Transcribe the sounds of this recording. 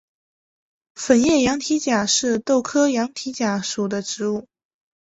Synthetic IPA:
fə˨˩njɛ˥˩jɑ˧˥ŋt̪ʰi˧˥t͡ɕja˨˩ʂɻ̩˥˧t̪o˥˩ʊkʰɤ˥jɑ˧˥ŋt̪ʰi˧˥t͡ɕja˨˩ʂu˨˩d̪ə˦ʈ͡ʂɻ̩˧˥u˥˩

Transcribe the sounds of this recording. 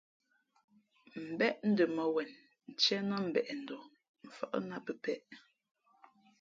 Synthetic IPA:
m̩˨bɛ˦ʔn̩˦də˨mə˨wɛ˨n | n̩˨t͡ʃɛ˦nə˦m̩˨bɛ˨ʔn̩˨dɔ˨ | ɱ̩˨fə̰˨ʔə̰˦na˦pə˨pɛ˦ʔ

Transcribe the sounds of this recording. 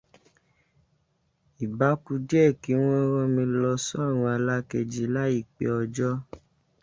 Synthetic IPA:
i˨ba˨˦ku˧d͡ʒɛ˦˨ki˨˦w̃ɔ̃˦ɾɔ̃˦mĩ˧lɔ˧sɔ˦a˦˨ɾ̃ũ˧a˧la˦ke˧˨d͡ʒi˨˦la˦i˦˨k͡pḛ˧˨ɔ˧d͡ʒɔ˦

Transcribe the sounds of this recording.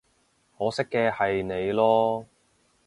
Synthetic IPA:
hɔː˨˥sɪ˥kːɛː˧hɐ˨jne˨˧jlɔː˥

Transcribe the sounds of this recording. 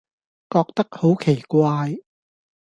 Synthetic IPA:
kɔː˧k̚t̪ɐ˥k̚ho˨˥wkʰe˨˩jkʷaː˧j

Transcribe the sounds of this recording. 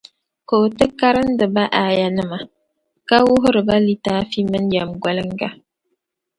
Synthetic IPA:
koː˨tɨ˦ka˦ɾɨ˦n˦dɨ˨ba˦ʔa˨ja˨nɨ˦ma˨ | ka˦wʊ˦ɦʊ˦ɾɨ˨ba˦li˦taː˦fi˦mɨ˦nja˨mɡʷa˦lɨ˦ŋ˦ɡa˦

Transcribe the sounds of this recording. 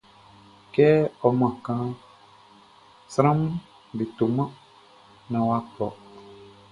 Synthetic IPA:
kɛ˦ɔ˨mã˨kã˦ | sɾã˦m˦ | de˨t̪o˨mã˦ | nã˨wa˦k͡pɔ˨

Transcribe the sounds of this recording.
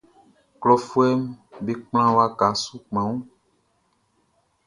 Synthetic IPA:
klɔ˨fu˦ɛ˦mbe˦k͡pl̃ã˦wa˨ɡa˨˦su˦k͡pã˨˦wũ˦

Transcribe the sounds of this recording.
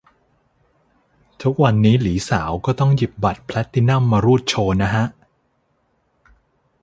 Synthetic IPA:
t̪ʰu˦˥k̚wa˧nːiː˦˥liː˩˦saː˩˦wkɔː˥˩t̪ɔ˥˩ŋji˨˩p̚ba˨˩t̪̚pʰlɛ˦˥t̪ʰːi˧na˥˩mːaː˧ɾuː˥˩t̪̚t͡ɕʰoː˧na˦˥ɦa˦˥ʔ

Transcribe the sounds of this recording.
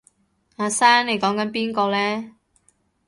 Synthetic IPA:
aː˨˧saː˥ŋne˨˧jkɔː˨˥ŋkɐ˨˥npiː˥nkɔː˧lɛː˥

